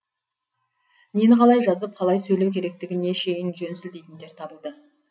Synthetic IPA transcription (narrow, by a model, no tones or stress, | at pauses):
nenqʰɑlˠɑjʒɑzəp̚qʰɑlˠɑjsɵjlewkʲʰe̞ɾe̞k̚t̪ɪɡʲɪne̞ʃe̞jɪnʒɵnsɪld̪e̞jt̪ɪnd̪e̞ɾt̪ʰɑbəlˠd̪ə